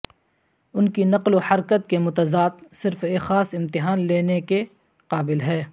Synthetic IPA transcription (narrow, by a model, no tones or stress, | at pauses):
ʊnkinɐqlohɐɾkət̪̚kemʊt̪ɐzaːt̪sɪɾfeːxaːsɪ̃mt̪ɪɦaːnleːneke | qaːbɪlɦɛː